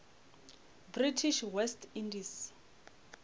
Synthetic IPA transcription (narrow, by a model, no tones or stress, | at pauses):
britʰiʃwɛstʰindis